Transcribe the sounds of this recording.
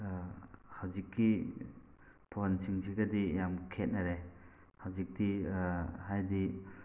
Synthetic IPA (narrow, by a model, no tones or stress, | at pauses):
hawzikːi | pʰonsiŋsiɡɐdijamkʰet̚nɐɾe | hawzik̚di | hajdi